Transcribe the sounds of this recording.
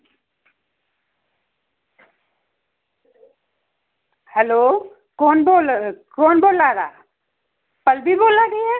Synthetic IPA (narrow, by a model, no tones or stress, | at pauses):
hɛloː | kɔːnbolkɔːnboːlaːɾa̰ː | pəlbʱiboːlaɡiɛ